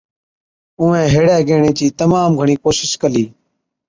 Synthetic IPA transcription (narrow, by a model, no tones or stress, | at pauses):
ʊ̃ːẽːɦeːɽeːɡeːɳeːt͡ʃiːt̪əmaːmɡʱəɳ̃iːkoːʃɪʃkəliː